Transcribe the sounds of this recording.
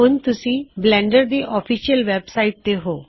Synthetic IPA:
unt̪usiblɛ̃ɳɖəɾd̪iʔɔfiʃiəlʋɛbsaiʈ̚t̪eɦo

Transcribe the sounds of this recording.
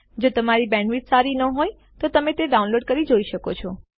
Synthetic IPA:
d͡ʒot̪əmaɾibɛ̃ɳʋiʈsaɾinəɦoj | t̪ot̪əmẽt̪eɖaũnloɖ̚kəɾid͡ʒoiʃəkot͡ʃʰɔ

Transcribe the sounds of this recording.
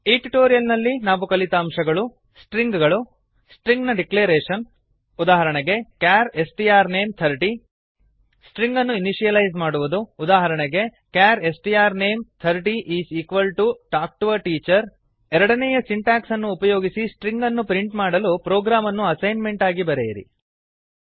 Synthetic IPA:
eʈiʈoːɾijɐlnɐlːinaːʋukɐlit̪ɐːmʃɐɡɐɭu | sʈɾiŋɡɡɐɭu | sʈɾiŋɡnɐɖikleːɾeːʂɐn | ud̪aːɦɐɾɐɳɛɡe̞kjaːɾesʈiaːɾneːmt̪ʰɐɾʈi | sʈɾiŋɡɐnːuiniʃijɐlɐjzmaːɽuʋud̪uːd̪aːɦɐɾɐɳɛɡe̞kaːɾesʈijaːɾne̞ːmt̪ʰɐɾʈiʔiːsiːkʋɐlʈuʈaːk̚ʈuʋɐʈiːt͡ʃɐɾ | ɛɾɐɽɐnɛjɐsiɳʈaːksɐnːuːpɐjoːɡisisʈɾiŋɡɐnːupɾiɳʈmaːɽɐlupɾoːɡɾaːmɐnːuɐsɐjnme̞ɳʈaːɡibɐɾejɐɾḭ

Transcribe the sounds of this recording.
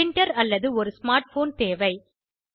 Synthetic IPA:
ɪɳʈɐɾɐlːɐðɯɔɾɯsmaːɾʈfoːnt̪eːʋɐɪ

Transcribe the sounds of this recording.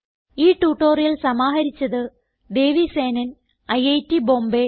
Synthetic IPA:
iːʈːuːʈːoːrijɐlsɐmaːɦɐɾit͡ɕːɐðɨ | d̪e̞ːʋiseːnɐn | ɐjɐjtːibo̞ːmbe

